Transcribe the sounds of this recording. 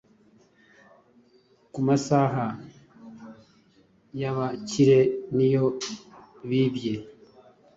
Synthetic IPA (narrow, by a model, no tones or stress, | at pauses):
kumasaɦa | jaβaciɾenijo | βibje